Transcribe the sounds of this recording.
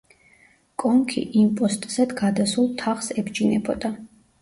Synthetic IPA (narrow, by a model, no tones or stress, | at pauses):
kʼɔŋkʰḭʔimpʼɔst̪ʼz̥ɛd̪ɡad̪asulˠt̪ʰaχsɛbd͡ʒinɛbɔd̪a